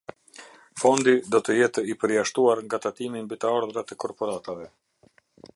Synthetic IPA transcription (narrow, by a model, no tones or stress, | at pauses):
fɔnd̪id̪ɔt̪əjɛt̪ɛipəɾjaʃt̪uaɾŋɡat̪at̪imimbit̪əaɾðɾat̪ɛkɔɾpɔɾat̪avɛ